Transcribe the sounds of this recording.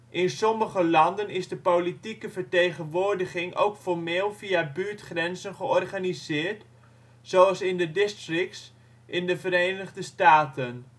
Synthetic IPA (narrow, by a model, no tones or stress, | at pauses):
ʔɪnsɔməχəlɑndənɪzdəpolitikəvəɹtejχənʋoːɹdəχɪŋʔo̰wkfɔrmeːlˠfiabyːɹtχrɛnzənχəɔrχanizɪːrt | soɑlˠsɪndədɪstrɪk̚ts | ʔɪndəvəɾejnəɣdəstaːtʰən